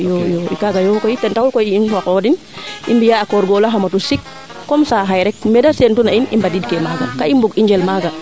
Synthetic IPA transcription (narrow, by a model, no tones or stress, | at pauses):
jɔjɔḭkaɡajɔkɔitɛntawulkɔjiinfakɔdin | ʔḭmbijaːkɔɾɡɔlaɦamatusikː | ɔmsaɦajɾɛk̚mɛdasentunainḭmbadid̚kɛmaɡa̰kaimbuɡiɲd͡ʒɛlmaɡa